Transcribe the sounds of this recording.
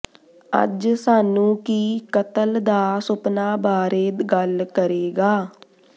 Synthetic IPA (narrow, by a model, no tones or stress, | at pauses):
ə̰d͡ʒsaːnũːkiːkət̪əld̪aːsʊpnaːbaːɾeːd̪ɡəlkəɾeːɡaː